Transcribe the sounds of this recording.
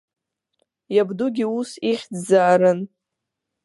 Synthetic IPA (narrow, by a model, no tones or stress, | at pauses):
jabduɡʲiusiχʲdzaːɾɨn